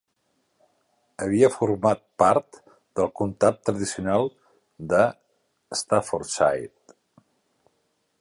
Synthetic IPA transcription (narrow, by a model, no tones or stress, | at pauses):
əβ̞iəfuɾmat̪̚paɾt̪ | d̪əlˠkunt̪ap̚t̪ːɾəðisiunalˠ | d̪ə | əst̪afoɾsa̰jt̪